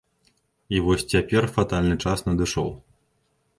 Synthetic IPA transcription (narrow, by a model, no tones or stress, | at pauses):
ivɔsʲt͡sʲapʲɛrfat̪alʲnɨt͡ʂasnɐd̪ɨʂɔ̰w